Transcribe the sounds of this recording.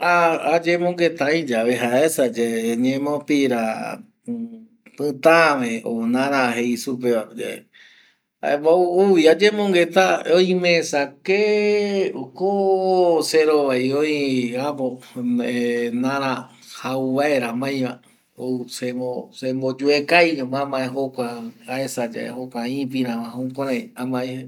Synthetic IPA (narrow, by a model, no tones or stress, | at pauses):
aad͡ʒẽmõŋɡet̪aĩd͡ʒaβeɦaesad͡ʒeɲẽmõpiɾa | pɨ̃t̪amẽonãɾãɦeisup̬ead͡ʒe | a̰eβauuβiad͡ʒẽmõŋɡet̪aoĩmẽsake | oko | seɾoβajoĩapoenãɾã | hauβaeɾamãj̃mã | osemosembod͡ʒuekajamãmãẽɦokʷaaesad͡ʒa̰ḛhokʷaĩp̬ĩɾãmãɦõkʷãɾãj̃amãe